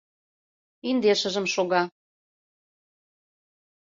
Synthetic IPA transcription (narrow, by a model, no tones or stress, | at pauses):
ind̪eʃə̆ʒə̆mʃoɣɑ